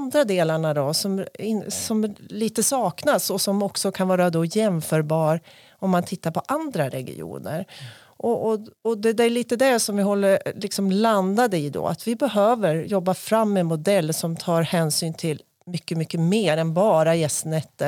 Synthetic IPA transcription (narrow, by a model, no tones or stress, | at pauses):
nd̪ɾad̪eːlaɳad̪ɔsɔmɪnsɔmliːt̪əsɑːknasɔsɔmɔksɔkʰanvɑːɾad̪ɔjɛmfœːɾbɑːɾ | ɔmːant̪ʰɪt̪ːaɾpʰɔʔand̪ɾaɾɛ̰ɡɪ̰ṵːnə̰ɾ | ʔɔʔɔd̪ɛd̪æɭiːt̪əd̪æsɔmvɪɦɔlːəɾlɪksɔmland̪ad̪əɪd̪ɔ̰a̰t̪vɪbɛɦøːvəɾjɔbːafɾamːɛɛnmʊd̪ɛlːsɔmt̪ʰɑːɾhɛːnsyːnt̪ʰɪl | mʏkːəmʏkːəmeːɾɛnbɑːɾajɛst̪nɛt̪ːə